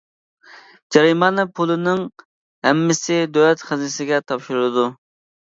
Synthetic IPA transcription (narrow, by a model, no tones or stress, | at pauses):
d͡ʒɛɾimɑnɨpʰulˠɨnɪŋ | hɛmːɪsɪd̪øwlɛt̪χɪznɪsɪɡʲɛt̪ʰɑpʃuɾɨd̪u